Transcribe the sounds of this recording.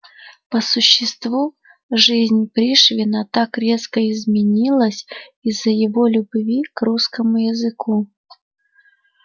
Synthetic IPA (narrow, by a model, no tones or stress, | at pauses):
pəsʊɕːɪst̪vu | ʐɨzʲnʲpɾʲiʂvʲɪnət̪akɾʲe̞skəɪzmʲɪnʲilˠəsʲizːəjɪvolʲʊbvʲikruskəmʊjɪzɨku